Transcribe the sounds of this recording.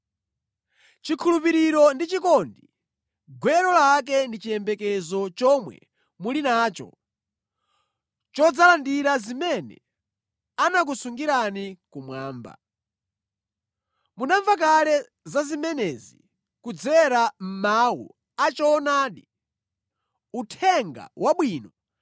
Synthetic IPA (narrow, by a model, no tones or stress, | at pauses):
t͡ʃikʰulupiɾiɾɔndit͡ʃikɔndi | ɡwɛɾɔlak̬ɛndit͡ʃijɛmbɛkɛzɔt͡ʃɔmwɛ̰ | mulinaːt͡ʃɔ̰ | t͡ʃɔd͡zalandiɾazimɛnɛ̰ | anak̬usuŋɡiɾanikumwaːmba̰ | munaɱvak̬alɛ | zazimɛnɛzi | kud͡zɛɾam̩mawṵ | at͡ʃɔːnaːɗi | utʰɛŋɡa̰wʔaɓwiːnɔ